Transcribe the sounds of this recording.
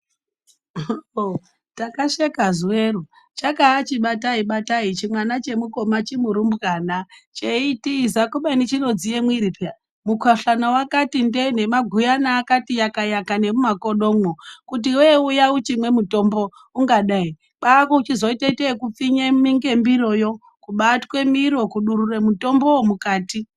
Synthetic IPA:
takaʂekazuweru | t͡ʃakaːt͡ʃiɓataiɓatait͡ʃimwanat͡ʃe̞muko̞mat͡ʃimuɾumbɣaːnat͡ʃeitizakuɓainit͡ʃino̞d͡zijemwiɾipa | mukwaɬanawakatinde̞n̤e̞maɡʱujanaːkatijakajakane̞mumakoɗomokut̬iweujaut͡ʃimwe̞muto̞mbo̞ | uŋɡaɗai | ɓakot͡ʃizo̞iteitekup͡fiɲemiŋɡe̞mbiɾo̞jo | kuɓatkwe̞miɾo̞kuɗuɾuremuto̞mbo̞womukaːti

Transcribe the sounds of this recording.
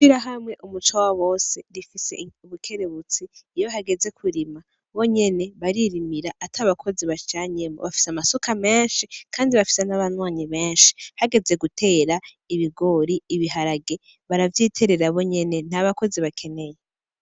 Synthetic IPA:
fiɾaɦamŋe̞ʔumut͡ʃawaβo̞ːseɾifise̞̰uβukʰe̞ɾeβut͡siːjo̞ɦaɡe̞ze̞kʰuɾima | βo̞ɲe̞ne̞βaɾiɾimiɾaʔːtʰaβakʰo̞ziβat͡ʃaːɲemo̰βafi̥samasokʰame̞ːnʃikʰaːndiβafi̥senaβanwaːɲiβe̞ːnʃi̥haɡe̞ze̞ɡutʰe̞ːɾa | iβiɡo̞ɾiːβiɦaɾaɡe̞ | βaɾavjiːtʰe̞ɾe̞ɾaβo̞ɲe̞ne̞n̥aβako̞ziβakʰe̞ne̞je

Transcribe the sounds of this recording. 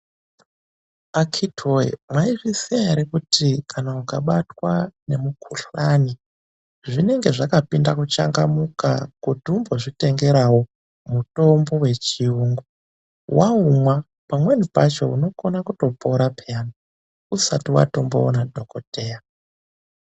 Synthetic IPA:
akʰitʰoḛmwaiʐisiaɾikutikʰanaukaɓatwanemukʰuɬani | ʐine̞ŋɡe̞ʐakapindakut͡ʃa̰ŋɡamuka̰kutiumbo̞ʐite̞ŋɡe̞ɾawo̞ | muto̞mbo̞we̞t͡ʃiuːŋɡu | wʔaumwa | pamwe̞nipat͡ʃo̞̰uno̞konakuto̞po̞ɾapʰeani | usatiwa̰to̞mbo̰ːnadʱo̞koteːja

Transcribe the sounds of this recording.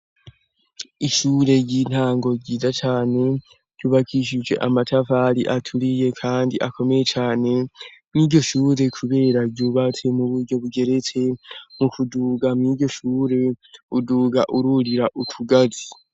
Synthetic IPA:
iʃuːɾe̞ɟiːn̥haːŋɡo̞ɟiːzat͡ʃaːne̞ | ɟ̥juːβakʰiʃ̬id͡ʒwe̞̰ʔamatʰavaɾiʔatʰuɾije̞kʰaːndiʔako̞me̞je̞t͡ʃaːne̞mŋiːɟo̞ʃuːɾe̞kʰuβe̞ːɾaɟuːβat͡se̞muβuɾɟo̞βuɡe̞ɾe̞t͡se̞mukuduɡamŋiːɟo̞ʃuːɾe̞uduːɡaʔuɾuɾiɾaʔutʰuɡazi̥

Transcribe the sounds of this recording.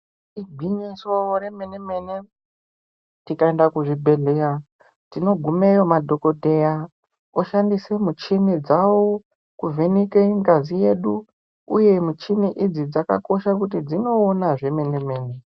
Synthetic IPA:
iɡʱiɲisoɾe̞meneme̞ne | tikaendakuʐibʱe̞ɮeɾa | tino̞ɡʱumejomadʱo̞ko̞dʱe̞ja | oʃandisemut͡ʃinid͡zawo | kuvenikeŋɡazije̞ɗu | ṵje̞mut͡ʃiniʔid͡zid͡zaka̰ko̞ʃakutid͡zino̞ːnaʐe̞me̞neme̞ːne

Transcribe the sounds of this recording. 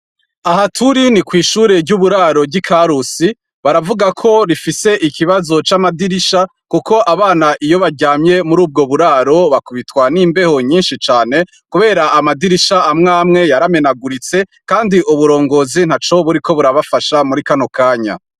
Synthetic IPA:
aɦatʰuɾinikwiːʃuːɾe̞ɾɟuβuɾaːɾo̞bɟikʰaɾusi | βaɾavuɡakʰo̞ɾifise̞ʔikʰiβazo̞t͡ʃamadiɾiʃa | kuko̞ʔaβaːnaʔijo̞βaɾɟaːmɲe̞muɾuːb̚ɡo̞βuɾaːɾo̞βakuβitwaniːmbe̞ho̞ɲiːnʃit͡ʃaːne̞ | kuβe̞ːɾaːmadiɾiʃaːmŋaːmŋe̞jaɾame̞naɡuɾit͡se̞kaːndiʔuβuɾo̞ːŋɡo̞ːzin̥hat͡ʃoβuɾiko̞βuɾaβafaʃamuɾikanokaːɲa̰

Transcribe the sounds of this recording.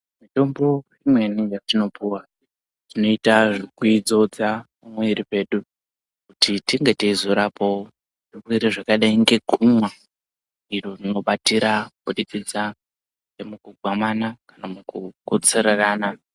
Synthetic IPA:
mito̞mbo̞rrimwe̞nijatino̞puwa | tino̞itaʐikuid͡zo̞d͡zapamweiripe̞ɗu | kutitiŋɡe̞teizoɾapo̞o | ʐirwiɾiʐakaɗaiŋɡe̞ɡʱumwa | iro̞rino̞ɓatiɾakuɗit͡sid͡za | emukuɡʱwamanakanamukukot͡sereraːna

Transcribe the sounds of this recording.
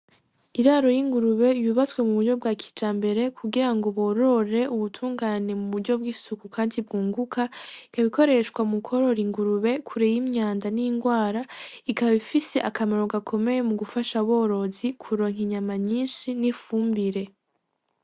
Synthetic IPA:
iɾaːɾo̞jiŋɡuɾuβe̞juːβat͡swe̞muβuɾɟo̞bɡakʰi̥d͡ʒaːmbe̞ɾe̞kʰuɡiɾaŋɡo̞βo̞ɾo̞ɾe̞ʔuβutʰuːŋɡaːne̞muβuɾɟo̞b̚ɡiːsukukaːndib̚ɡuːŋɡukʰaikaβiko̞ɾe̞ʃkwamukʰo̞ɾo̞ɾiŋɡuɾuβe̞kʰuɾejimɲaːndaniiŋɡwaːɾaikaβifise̞ʔakamaɾo̞ɡakʰo̞me̞je̞muɡufaʃaβo̞ːɾo̞zikʰuɾo̞ŋ̥iɲamaɲiːnʃinifuːmbiɾe̞

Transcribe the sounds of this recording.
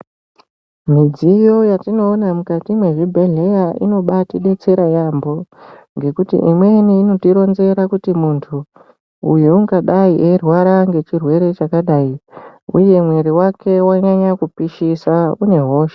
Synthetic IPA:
mid͡zijo̞jatino̞ːnamukatimwe̞ʐibʱe̞ɮe̞jaḭno̞ɓatiɗe̞t͡se̞ɾajambo̞ | ŋɡe̞kutḭʔimweniːno̞tiɾo̞nze̞ɾakutimuntʰuː | juuŋɡaɗaiʔerwaɾaŋɡe̞t͡ʃirwe̞ɾe̞t͡ʃakaɗaiṵje̞mwe̞ɾiwake̞waɲaɲakupiʃisaune̞ɦo̞ːʃe̥

